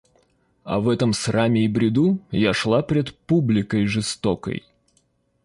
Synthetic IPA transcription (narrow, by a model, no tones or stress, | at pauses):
ɐ̰vɛt̪əmsramʲɪːbɾʲɪd̪ujaʂlˠapɾʲɪt̪publʲɪkəjʐɨst̪okə̰j